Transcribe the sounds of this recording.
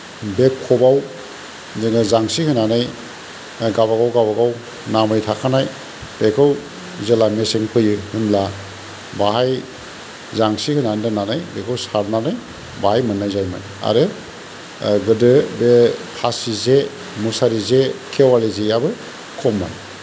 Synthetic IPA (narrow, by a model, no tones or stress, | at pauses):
bekʰɔbaw | zɯŋɯzaŋsihɯnanɯj | ɡabaɡawɡabaɡaw | namɯjtʰakʰanaj | b̥ekʰɯw | zelameseŋpʰɯjɯhɯmla | baɦaj | zaŋsihɯnandananajbekʰɯwsaɾnanɯj | baɦajmɯnːajzajma̰j | a̰ɾe | ɡɯdɯbekʰasize | musaɾizekʰewalizejabɯ | kʰɔmːa̰j